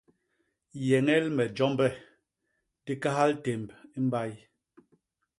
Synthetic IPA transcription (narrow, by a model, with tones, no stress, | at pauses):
jɛ˨ŋɛ˦lmɛ˨d͡ʒɔ˦mbɛ˦˨ | ti˦ka˦ɦa˦lte˨mbi˦m̩˦ba˦j